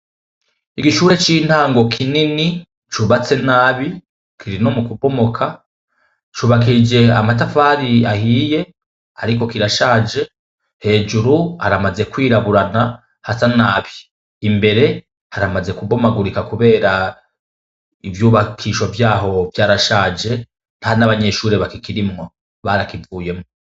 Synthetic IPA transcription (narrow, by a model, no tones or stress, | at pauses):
iɡiʃuːɾet͡ʃin̥haːŋɡo̞kʰinini | t͡ʃuβat͡se̞naːβi | kʰiɾino̞mukubo̞mokʰa | t͡ʃuːβakid͡ʒe̞amatafaːɾiahiːje̞ | aɾiko̞kiɾaʃaːd͡ʒe̞ | he̞ːd͡ʒuɾua̰ɾamaze̞kwiːɾaβuɾana | hasanaːβiː | mbe̞ɾe̞ | haɾamaze̞kubo̞maɡuɾikakuβe̞ːɾa | ivjuːβakʰiːʃovjaːɦo̞vjaːɾaʃaːd͡ʒe̞ | nahanaβaɲe̞ʃuːɾe̞βakikiɾimŋo̞ | βaɾakivuːje̞mŋoo